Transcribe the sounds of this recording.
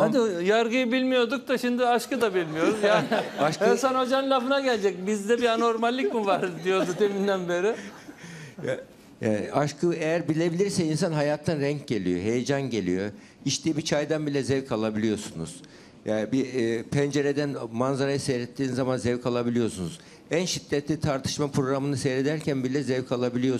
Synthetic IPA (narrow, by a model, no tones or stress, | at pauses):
had̪ijaɾɡɯjɯbilʲmijo̞d̪uk̚d̪aʃimd̪iaʃkɯd̪abilʲmijo̞ɾuzjaːnaʃkɯsano̞d͡ʒanlʲaːfɯnaɟælʲd͡ʒɛc̚bizd̪ɛbiano̞ɾmalʲːicmivaɾd̪ijo̞d̪ut̪ʰemind̪ænbe̞ɾɪ | ja | jaːn̰ʔaʃkʰɯejæɾbilʲe̞bilʲiɾsɛinsanɦajaːt̪ʰːanɾɛɲc̚ɟe̞lʲḭjo̞̰ɦe̞jed͡ʒanɟe̞lʲḭjo̞̰ | iʃt̪ʲiibit͡ʃʰajd̪anbilʲɛzɛvkʰalˠabilʲijo̞sunṵz̥ | jaːbiːpʰɛnd͡ʒe̞ɾed̪ænmanzaɾajɯsejɾɛt̪ʰːiːnzamanzɛvkʰalˠabilʲijo̞sunuz̥ | ænʃid̪̥ːɛt̪lʲit̪ʰaɾt̪ʰɯ̥ʃmapɾo̞ɡɾamɯnɯsɛjɾed̪æɾcʰænbilʲɛzɛvkʰalˠabilʲijo